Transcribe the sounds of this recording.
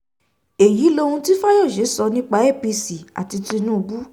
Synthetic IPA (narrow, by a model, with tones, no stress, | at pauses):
e˨ji˨˦lo˧hũ˧ti˦fa˦jɔ˦˨ʃe˨˦sɔ˧nĩ˦k͡pa˧˦e˦˨pi˧si˨a̰˨ti˧ti˧nũ˦˧bu˦